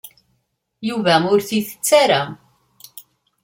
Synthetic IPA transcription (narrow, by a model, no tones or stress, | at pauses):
juvæmʊɾθiθə̥t͡sːaɾæ